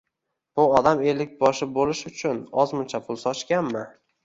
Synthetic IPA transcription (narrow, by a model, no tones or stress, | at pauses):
b̥ʊɒd̪amelɪk̚ʲbɒʃɪbolɪʃʊt͡ʃʰʊnɒzmʊnt͡ʃʰapʰʊlˠsɒt͡ʃkʲanmɪ